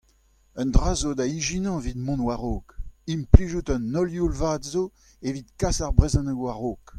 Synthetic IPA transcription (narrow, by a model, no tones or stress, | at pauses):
œ̃nd̪ʁaːzod̪aiʒinɑ̃vid̪mɔ̃nwaʁoːkimpliʒut̪ənːɔljulvaːd̪zo | evit̪kasaʁbʁezɑ̃nəwaʁoːk